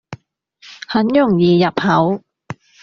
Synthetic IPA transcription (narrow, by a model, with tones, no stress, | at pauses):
hɐ˨˥njʊ˨˩ŋjiː˨jɐ˨˩p̚hɐ˨˥w